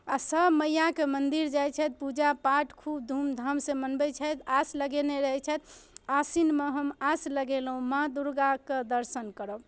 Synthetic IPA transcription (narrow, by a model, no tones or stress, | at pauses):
asəbməjakemənd̪iɾd͡ʒajt͡ʃʰɛt̪̚pud͡ʒapaʈkʰubd̪ʱumd̪ʱəmsẽmənbɛt͡ʃʰɛt̪asləɡeneɾəɦɛt͡ʃʰɛt̪asinmeɦəmasləɡeləɦũmad̪uɾɡaked̪əɾsənkəɾəb